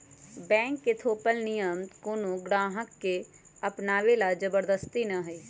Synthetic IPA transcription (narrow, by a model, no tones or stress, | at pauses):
bɛ̃ːŋkːet̪ʰoːpəlnɪjəmt̪koːnõɡɽaːɦəkːe | əpnaːʋelad͡ʒəbəɾd̪əst̪inəɦəi